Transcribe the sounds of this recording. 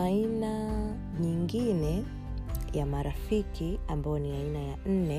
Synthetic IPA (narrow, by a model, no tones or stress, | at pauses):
aina | ɲiŋɡinɛ | jamaɾafikʰiambajɔniainajan̩nɛ